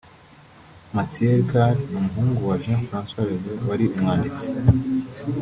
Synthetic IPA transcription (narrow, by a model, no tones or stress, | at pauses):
matieɾɡaɾnumuɦuːŋɡuwaʒãfɾãnswaɾezewaɾiumŋaːndit͡si̥